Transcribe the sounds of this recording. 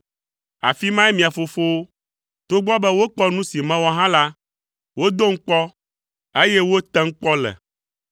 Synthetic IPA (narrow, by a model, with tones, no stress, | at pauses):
a̰˨fi˦mã˦ɛ˦mĩ˨a˨fo˨fo˦wo˦ | t̪o˦ɡ͡bɔ˦bɛ˦wo˦k͡pɔ˦nũ˦si˨mɛ̃˦wɔ˦ɦã˦la˦ | wo˦d̪o˦ŋ̩˦k͡pɔ˦ | e˦jɛ˦wo˦t̪ɛ̃˦ŋ̩˦k͡pɔ˦lɛ̰˨